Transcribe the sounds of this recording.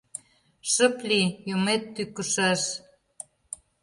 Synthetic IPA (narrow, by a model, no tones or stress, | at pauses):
ʃə̆plijomet̪ːykəʃəʃ